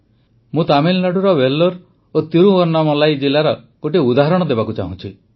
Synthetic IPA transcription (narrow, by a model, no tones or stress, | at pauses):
mũt̪amilnaɽuɾɔbelːɔɾ | ot̪iɾuɔɾnamɔlajd͡ʒelaɾɔ | ɡ̥oʈiud̪aɦɔɾɔɽ̃ɔd̪ebakut͡ʃa̰ɦṵ̃t͡ʃʰi